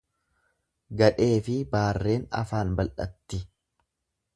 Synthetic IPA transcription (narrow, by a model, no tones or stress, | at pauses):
ɡɐᶑe̞ːfɪbaːrːe̞ːnɐ̰faːnbɐlʔɐ̰t̪ːɪ